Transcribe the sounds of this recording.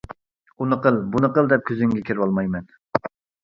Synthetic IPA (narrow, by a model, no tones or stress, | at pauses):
unɨqəlˠbunɨqəlˠd̪ɛp̚kʲʰyzɪŋɡʲɛkʲʰeɾwɑlˠmɑjmɛn